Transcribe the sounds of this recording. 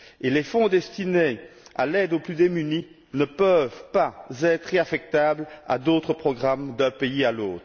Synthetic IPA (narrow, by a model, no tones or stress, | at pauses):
elefɔ̃d̪ɛst̪inea̰lɛd̪oplyd̪emyni | nəpəvpazɛt̪χeafɛk̚t̪abla̰d̪ot̪χəpχɔɡʁamd̪ɛ̃peialoːt̪χ